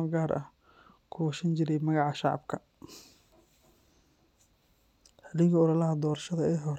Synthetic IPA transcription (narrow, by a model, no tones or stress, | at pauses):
ɡaːɾʔɐ̰h | kʰɔːsɐnt͡ʃɪɾɛjmɐɣɑʕɑʃɑʕɑ̰bkʰɐ | ħɐlɪɣɐɔɾɐlɐɦɐd̪ɔːɾɐʃɐðɐɛːɦɔɾ